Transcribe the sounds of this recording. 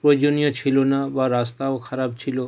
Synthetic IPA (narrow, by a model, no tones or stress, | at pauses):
pɾod͡ʒonijɔt͡ʃʰilonaʋaɾast̪aokʰɐɾabt͡ʃʰilo